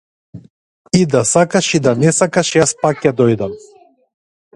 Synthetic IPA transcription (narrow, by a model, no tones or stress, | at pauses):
id̪asakaʃid̪anɛsakaʃjaspakːad̪ɔjd̪am